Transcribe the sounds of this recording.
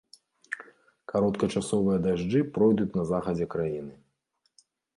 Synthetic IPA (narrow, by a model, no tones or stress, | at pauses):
kaɾɔt̪kɐt͡ʂasɔvɨjɐd̪aʐd͡ʐɨpɾɔjd̪ut͡sʲnɐzaxɐd͡zʲɛkɾajinɨ